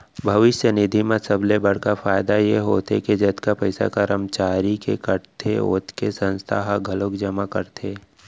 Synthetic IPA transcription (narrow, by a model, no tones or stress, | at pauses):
bʱɐʋɪʃjənɪd̪ʱimãsəblebɐɽ̤kafaːjd̪ajeɦoːt̪eked͡ʒɐt̪kapɐɪsa̰kəɾəmt͡ʃaːɾikekəɽt̪ʰeo̰ːt̪ʰkesə̃nst̪ʰa̰ɦaɡʱɐlokd͡ʒɐmakəɾt̪ʰeː